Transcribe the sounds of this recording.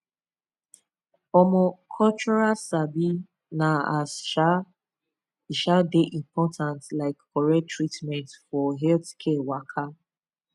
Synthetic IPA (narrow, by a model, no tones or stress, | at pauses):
ɔmɔkʰɔlt͡ʃɔɹasabi | naasʃa | iʃaldeʔĩmpɔtʰãntlaɪkkɔɹɛtɹitmɛ̃ntfɔɦɛltkʰɛwakʰa